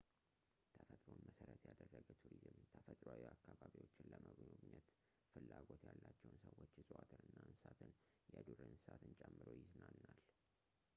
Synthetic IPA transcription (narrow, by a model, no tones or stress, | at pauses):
t̪ʰəfət̪ʼɾo̞nməsəɾət̪jad̪ərːəɡət̪ʰuɾizɨmt̪ʰəfət̪ʼɾawiakːaβaβiwo̞t͡ʃːɪnləməɡnoɡɲɛt̪ | fɨlːaɡo̞t̪jalːat͡ʃːɛwʊnsəwːo̞t͡ʃːsʼwat̪ʰɨnɨnːansat̪ʰɨn | jɛd̪uɾɨnsat̪ʰɨnt͡ʃʼɛmːɨɾojɪznanːal